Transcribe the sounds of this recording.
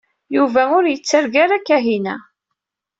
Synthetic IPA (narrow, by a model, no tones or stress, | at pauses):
juvæʊɾjət͡sːəɾɡaɾakːæɦinæ̰